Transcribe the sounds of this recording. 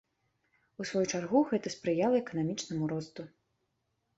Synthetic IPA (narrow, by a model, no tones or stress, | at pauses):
usvɔjut͡ʂarɣuɣɛt̪ɐspɾɨjalˠɐɛkɐnamʲit͡ʂnɐmuɾɔst̪u